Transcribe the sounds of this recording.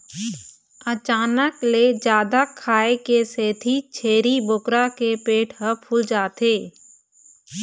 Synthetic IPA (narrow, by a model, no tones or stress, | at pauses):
ət͡ʃaːnəkled͡ʒjaːd̪akʰaːekeseːt̪ʰit͡ʃʰeːɾibokɾakepeːʈʰɦəpʰʊld͡ʒaːt̪eː